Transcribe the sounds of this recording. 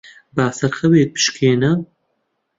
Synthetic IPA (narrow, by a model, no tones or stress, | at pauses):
baːsɐɾxɐweːt̪̚pʰɨ̥ʃkʰeːnɐ